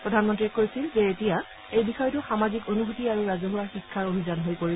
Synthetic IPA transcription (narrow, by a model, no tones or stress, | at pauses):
pɹɔdʱanmɔntɹiɛkojsilzeːtija | ejbixɔjɔtʊxamazikonuɦotiaɹuɹazoɦuɹaxikʰːaɹobʱizanɦojpoɹi